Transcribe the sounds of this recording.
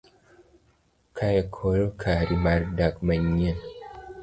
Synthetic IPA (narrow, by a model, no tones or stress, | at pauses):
kʰajakʰoɾokʰaɾimaɾdakmaɲːen